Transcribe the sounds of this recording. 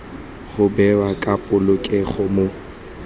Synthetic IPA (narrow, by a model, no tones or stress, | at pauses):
ɣʊbɛwakʼapʼʊlʊkʼeχʊmo